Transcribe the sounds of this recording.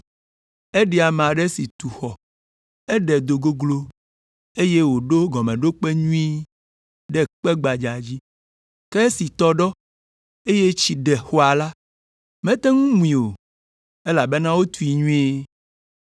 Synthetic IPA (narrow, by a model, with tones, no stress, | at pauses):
ɛ˦ɖɛ˨a˨m˨ã˨ɖɛ˦si˨t̪u˨xɔ˨ | ɛ˦ɖɛ˨d̪o˨ɡo˦ɡlo˦ | e˦je˦wo˨ɖo˦ɡɔ˨mɛ̃˨ɖo˦k͡pe˦ɲũ˦ĩ˦ | ɖɛ˦k͡pɛ˦ɡ͡ba˨d͡ʒa˨d͡ʑi˦ | kɛ˦si˨t̪ɔ˦ɖɔ˦ | e˦je˦t͡ɕi˨ɖɛ˨xo˦a˨la˦ | mɛ̃˦t̪ɛ˦ŋũ˦mũ˨ĩ˨o˨ | e˦la˨be˦nã˦wo˦t̪u˦i˨ɲũ˦e˦